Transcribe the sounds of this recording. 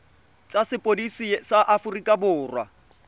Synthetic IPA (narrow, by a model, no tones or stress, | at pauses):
t͡sʼasɪpʼodisisaʔafʊrikʼabʊːrwa